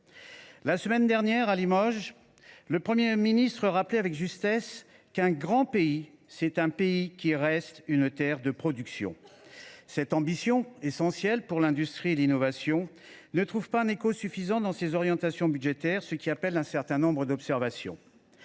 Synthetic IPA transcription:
lasəmɛnd̪ɛʁnjɛʁalimɔʒ | ləpχəmjeminist̪χəʁaplɛavɛkʒyst̪ɛs | kɛ̃ɡʁɑ̃pei | sɛt̪ɛ̃peikʲiʁɛst̪ynt̪ɛʁd̪əpχɔd̪yksjɔ̰̃ | sɛt̪ɑ̃bisjɔ̃esɑ̃sjɛlpuʁlɛ̃d̪yst̪χielinɔvasjɔ̃ | nət̪χuvpaɛ̃nekosyfizɑ̃d̪ɑ̃sezɔʁjɑ̃t̪asjɔ̃byd̪ʒet̪ɛʁsəkʲiapɛlɛ̃sɛʁt̪ɛ̃nɔ̃bʁəd̪ɔpsɛʁvasjɔ̰̃

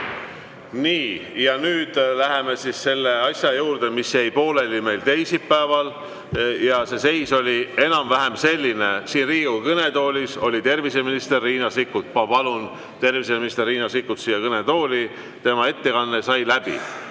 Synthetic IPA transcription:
niːjɑnyːd̪̥læɦe̞me̞sisse̞lːe̞ɑsʲjɑjuːrd̪̥emisjæjpo̞ːle̞lime̞jlt̪e̞jsippːæevɑl | jɑse̞se̞jso̞lʲie̞nɑmvæɦe̞mse̞lʲːinesiːnriːukɤne̞t̪o̞ːlʲiso̞lʲit̪e̞rvise̞minist̪e̞rːiːnɑsikːˑut̪̚pɑpɑlun | t̪e̞rvis̬eminist̪erːiːnɑsikːut̪siːjɑkɤne̞t̪o̞ːlʲi | t̪e̞mɑe̞t̪ːe̞kɑnːesɑjlæb̥ḭ

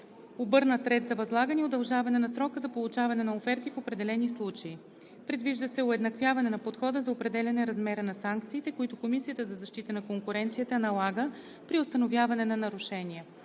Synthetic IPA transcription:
obɤɾnət̪ɾɛt̪zɐvɐzlˠaɡəniod̪ɐlˠʒavɐnɛnɐsɾɔkəzɐpolˠʊt͡ʃavɐnɛnɐofɛɾt̪ifopɾɛd̪ɛlɛnislˠut͡ʃɐi | pɾɛd̪viʒd̪əsɛʊɛd̪nɐkvʲjavɐnɛnɐpot̪xɔd̪əzɐopɾɛd̪ɛlʲɐnɛɾɐzmɛɾənɐsaŋkt̪siːt̪ɛkʊit̪ʊkomisijət̪əzɐzɐʃt̪it̪ənɐkoŋkʊɾɛnt̪sijət̪ənɐlˠaɡə | pɾiʊst̪ɐnovjavɐnɛnɐnɐɾʊʃɛniə

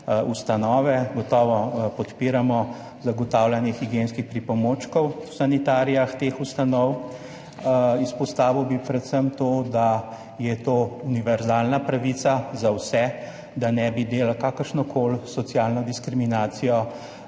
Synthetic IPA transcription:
ust̪anɔːʋɛɡɔt̪ɔːʋɔpɔt̪piːɾamɔ | zaɡɔt̪awlanjixiɡjenskixpɾipɔmoːt͡ʃkɔwwsanit̪aːɾijaxt̪eːxust̪anɔw | ispɔst̪aːʋiwbipɾɛt̪səmt̪od̪a | jɛt̪oːuniʋɛɾzaːlnapɾaʋit̪sazawsɛ | d̪anɛbid̪eːlakaːkəɾʃnɔkʰolsɔt̪sjaːlnɔd̪iskɾiminaːt̪sijɔ

